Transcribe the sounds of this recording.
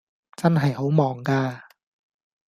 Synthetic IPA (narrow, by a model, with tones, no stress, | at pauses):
t͡sɐ˥nɦɐ˨jho˨˥wmɔː˨˩ŋkaː˧